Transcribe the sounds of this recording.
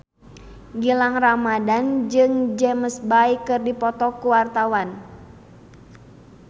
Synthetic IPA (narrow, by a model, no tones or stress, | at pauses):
ɡilaŋramadand͡ʒɨŋd͡ʒɛməsbaikɨrdipɔt̪ɔkuwart̪awan